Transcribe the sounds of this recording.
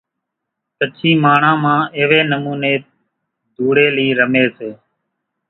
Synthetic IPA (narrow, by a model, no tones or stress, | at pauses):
sət͡ʃʰiːmaːɳãːmãːeːʋeːnəmuːneː | d̪ʱuːɽeːliːɾəmeːseː